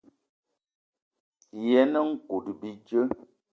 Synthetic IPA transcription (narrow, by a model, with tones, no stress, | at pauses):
jɛ˨˦nə˦ŋ̩˦ku˨dbi˨d͡ʒə˦